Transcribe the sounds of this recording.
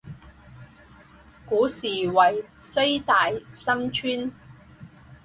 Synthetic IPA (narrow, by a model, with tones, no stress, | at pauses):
kuː˨˥siː˨˩wɐ˨˩jse˥jt̪aː˨jsɐ˥ŋt͡ʃʰyː˥n